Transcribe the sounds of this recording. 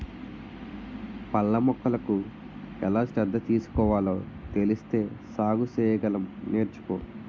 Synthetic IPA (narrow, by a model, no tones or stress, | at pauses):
pɐɭːɐmɔkːɐlɐku | ɛlaːsɾɛd̪ːɐt̪iːsu̥kɔːʋaːloː | t̪e̞list̪e̞ːsaːɡusɛːjɐɡɐlɐmneːɾt͡ʃu̥ko̰ː